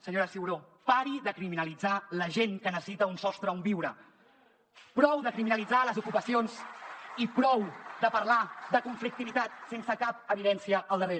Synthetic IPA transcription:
səɲoɾəsiuɾopaɾiðəkɾiminəlid͡zaləʒeŋkənəsə̥sit̪əunsɔst̪ɾəumbiwɾə | pɾɔwðəkɾiminəlid͡zaləzukupəsionzipɾɔwd̪əpəɾlaðəkuɱflik̚t̪iβit̪at̪̚sensəkap̚əβ̞iðɛnsiəʔəlˠd̪əreɾ

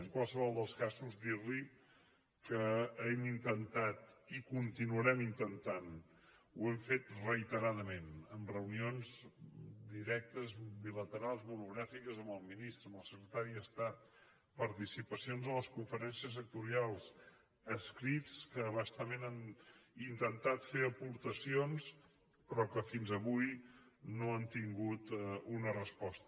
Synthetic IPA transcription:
əŋkwalˠsəβɔlˠd̪əlˠskazuzd̪iɾli | kəɛmint̪ənt̪at̪ikunt̪inuəɾɛmint̪ənt̪an | uɛmfet̪rəjt̪əɾaðəmenəmrəunionz | d̪iɾɛk̚t̪əzbilət̪əɾalˠzβuɾuɣɾafikəzəməlˠminist̪ɾəməlˠsəkɾət̪aɾiəst̪at̪̚ | pəɾt̪isipəsionzənləskuɱfəɾɛnsiəs̬ək̚t̪uɾialˠs | əskɾit͡skəβast̪əmenanint̪ənt̪at̪feəpuɾt̪əsions | pɾɔkəfinzəβujnoənt̪iŋɡut̪unərəspɔst̪ə

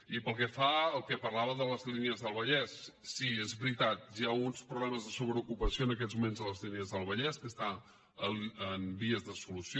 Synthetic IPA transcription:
ipəlˠkɛfaəlˠkɛpərlaβəðələzliniəzðəlˠβəʎɛsːiezβɾit̪at̪̚ʒaunspɾuβlɛməzðəsuβɾəukupəsjoənəkɛt̪zmumẽnzðələzliniəzðəlˠβəʎɛskəst̪a | əməmbiəzðəsulusj

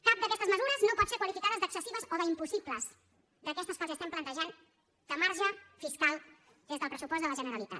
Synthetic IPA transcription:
kap̚d̪əkɛst̪əzməzuɾəznopɔt̪sekwəlifikaðəzd̪əksəsiβəzoðəimpusipləz | d̪əkɛst̪əsfɔziəst̪ɛmplənt̪əʒan | d̪̥əmaɾʒəfiskalˠ | d̪ezðəlˠpɾəsupɔzd̪ələʒənəɾəlit̪a̰t̪̚

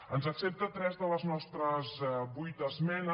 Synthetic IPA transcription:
ənzəksep̚t̪ət̪ɾɛzðələznɔst̪ɾəzbujt̪əzmɛnə

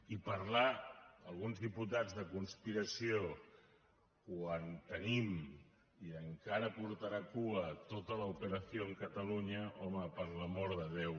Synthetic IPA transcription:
ipəɾlaəlˠɣunzðiput̪ad͡zðəkunspiɾəsio | kwant̪ənim | iəŋkaɾəpuɾt̪aɾakuət̪ot̪ələupəɾəsjoəŋkət̪əluɲəʔɔməpəɾləmɔɾðəðew

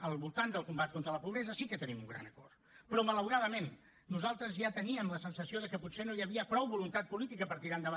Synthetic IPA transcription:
əlˠβulˠt̪and̪əlˠkumbat̪kont̪ɾələpuβɾɛzəsikət̪ənimuŋɡɾa̰nəkɔ̰rt̪pɾɔmələwɾaðəmenː | uzalˠt̪ɾəzjat̪əniəmləsənsəsioðəkəpusenojəβiəpɾɔwβulunt̪at̪̚pulit̪ikəpəɾt̪iɾand̪əβa

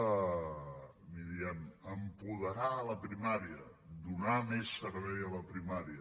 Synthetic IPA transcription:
miðianəmpuðəɾaːləpɾimaɾiə | d̪unamesːəɾβɛjələpɾimaɾiə

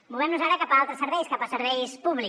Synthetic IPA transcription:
bulˠβɛmnuzaɾəkapəalˠt̪ɾəsəɾβɛjskapəsəɾβɛjspuβli

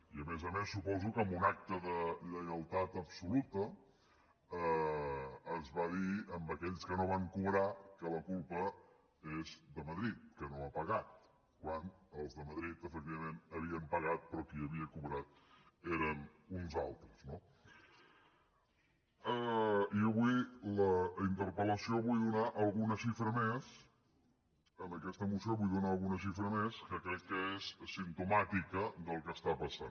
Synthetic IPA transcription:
iəmezəmesːupɔzukəmbunak̚t̪əðəʎəjəlˠt̪at̪əpsulut̪ə | əː | zβaðiəmbəkɛʎskənoβaŋkuβɾakələkulˠpə | ezðəməðɾit̪̚kənoəpəɣat̪̚ | kwanəlˠzðəməðɾit̪əfək̚t̪iβəmenəβiəmpəɣat̪̚pɾɔkiəβiəkuβɾat̪̚ | eɾən | unza̰lˠt̪ɾəzno | əiəβujləint̪əɾpələsioβujðunaʔəlˠɣunəʃifɾəmes | ənəkɛst̪əːmusioβujðunaəlˠɣunəʃ̬ifɾəmeskəkɾɛkːəezsint̪umat̪ikəd̪əlˠkəst̪apəsan

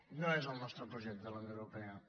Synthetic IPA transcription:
nɐ̃w̃ɛzũnɔst̪ɾupɾuʒɛt̪uðɐunɐ̃ewɾupɛɐ

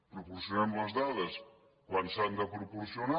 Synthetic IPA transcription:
pɾupuɾsjunɛmləzd̪aðəs | kwansand̪əpɾupuɾsijona

